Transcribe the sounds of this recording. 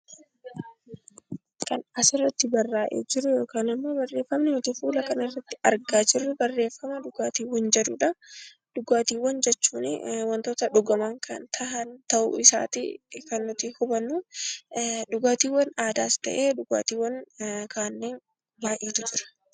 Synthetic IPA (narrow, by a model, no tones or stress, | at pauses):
kɐnɐsɪrːɐt̪ːɪbɐrːaːʔḛːd͡ʒɪɾʊjo̞ːkaːnɪmːo̞ːbɐrːe̞ːfːɐmnɪnʊt̪ɪfuːlɐkɐnɪrːɐt̪ːɪ̥ɐɾɡaːd͡ʒɪrːʊbɐrːe̞ːfːɐmɐᶑʊɡaːt̪iːwɐnd͡ʒɛd̪ʊᶑɐ | ᶑʊɡaːt̪iːwːɐnd͡ʒɛt͡ʃːuːnɪwɐnt̪o̞ːt̪ɐᶑʊɡɐmaːŋkʰɐ̰nt̪ʰɐhɐnt̪ɐʔʊ̰ɪsa̰ːt̪ḭkɐnːʊt̪ihʊbɐnːuː | ᶑʊɡaːt̪iːwɐnaːd̪aːst̪ɐ̰ʔeːᶑʊɡa̰ːt̪iːwːɐnkaːnːeːn | baːʔiːt̪ʊd͡ʒɪɾɐ̥